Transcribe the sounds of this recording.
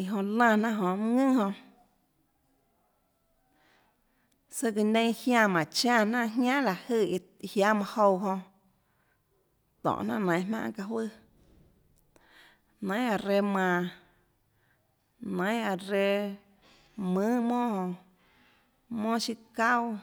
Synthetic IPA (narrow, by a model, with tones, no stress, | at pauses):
i˧˨ɦõ˧lãː˧˨nã˦ʔɦõ˧˨m˦˧ŋɨ̃˦hõ˧ʔ | sə˧ki˧nẽ˧˦˧hjã˧˨mã˨t͡ʃã˧˨nã˦ʔɦjãː˦la˨hɨ˧˨i˧hja˦mã˧ho˧wɦõ˧ | t̪ɔ̰̃˨ʔnã̰˦nã˨j̃ɦmã̰˦ʔka˧ɦwɨ˦˨ | nã˨˦a˧ɾe˧mã˧˨ | nã˨˦j̃a˨ɾe˧ | mɨ̃ː˦mõː˦hõ˧ | mõː˦ʃi˧ka˦w